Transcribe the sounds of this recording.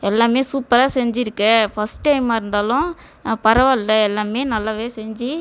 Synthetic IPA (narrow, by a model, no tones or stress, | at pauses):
ɛlːaːmeːsuːpːɐɾaːsɛɲd͡ʒɪɾɯkːɐfɐsʈʈɐɪmaːɪɾɯnd̪aːlʊ̃ | pɐɾɐʋalːɐɛlːaːmeːnɐlːaːʋeːsɛɲd͡ʒi